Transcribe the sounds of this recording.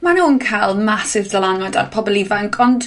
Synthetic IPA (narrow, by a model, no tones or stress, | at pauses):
manuːnkʰajlˠmasɪvdəlanada̰dpʰɔbblˠivaŋkʰɔnd